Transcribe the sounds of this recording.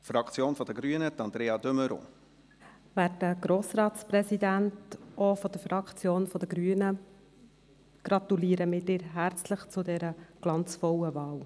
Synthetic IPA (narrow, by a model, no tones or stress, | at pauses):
fɾɑkt͡sjoːnfɔd̥əɡɾyənət̪ɑnd̪ɾeːɑd̪øməɾo̰ː | ʋæːdəɡ̥ɾoːsrɑːtspɾɛsid̪æntʔɔfɔd̥̪əfɾɑkt͡sjoːnfɔd̪əɡɾyːənə | ɡ̥ɾɑt̪uliːəɾəmɪtɪɾɦæɾt͡sləχt͡sʊdɛɾəɡ̥lɑnt͡sfɔwəvɑːl